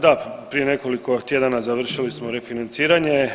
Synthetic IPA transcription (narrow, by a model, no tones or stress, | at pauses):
d̪apɾije̞ne̞ko̞liko̞t̪je̞d̪anazaʋr̩ʃilismoɾe̞finant̪siːɾaɲe̞